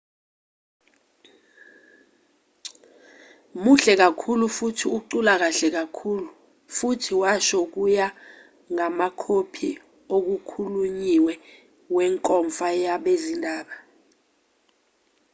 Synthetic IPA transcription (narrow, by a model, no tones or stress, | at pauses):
muɬɛk̬akʰulufutʰiuǃulak̬aɬɛk̬akʰuːlu | futʰiwaʃɔk̬uja | ŋamakʰopʰi | ok̬ukʰuluɲiwɛ | wɛŋkʼɔɱfajaɓezindʱaːɓa